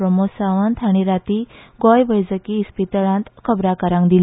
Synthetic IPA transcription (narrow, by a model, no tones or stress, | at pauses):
ɾəmosaʋənt̪ʰaɽ̃iɾat̪iɡɔjʋəjd͡zəkiːspit̪əɭãnt̪kʰəbɾakəɾãŋkd̪il